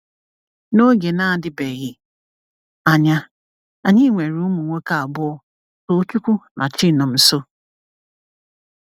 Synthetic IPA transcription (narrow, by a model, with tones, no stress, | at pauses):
no˦ɡe˨na˦˨dɪ˦be˨ɣɪ˦ | a˨ɲa˦ | a˨ɲi˦ŋʷe˨ɾʊ˦mu˨ŋʷe˦ka˨a˨bʊ˦ɔ˦ | o˦t͡ʃu˦kʷu˦nʔa˨t͡ʃi˦˨nɔ˨m̩˨so˦